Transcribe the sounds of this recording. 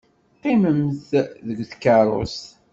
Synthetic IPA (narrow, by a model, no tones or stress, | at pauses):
qːiməmθðəɡʷθkːɑɾˤo̰s